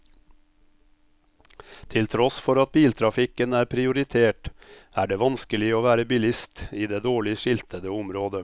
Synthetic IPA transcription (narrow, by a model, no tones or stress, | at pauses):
t̪ʰɪlt̪ʰɾɔsfɔɾɑt̪̚biːlt̪ʰɾɑfɪkənæːɾpʰɾɪʊɾɪt̪ʰeːʈæːɖeːʋɑnskəlɪoːʋæːɾəbɪlɪst̪iːd̪eːd̪oːɭɪʃɪlt̪ʰəd̪əʊmɾoːd̪ə